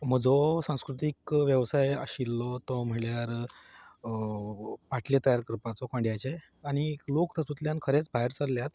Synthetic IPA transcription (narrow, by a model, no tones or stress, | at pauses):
m̤əd͡zɔsãw̃skɾut̪ikʋjəʋsajə̰ɕilːɔt̪ɔm̤əɭjaɾ | paʈʰljat̪əjaɾkəɾpat͡sɔkãɳɖjat͡ɕe | aɽ̃ilokt̪asut̪ljankʰəɾet͡sbʱaɦeɾt͡səɾljat̪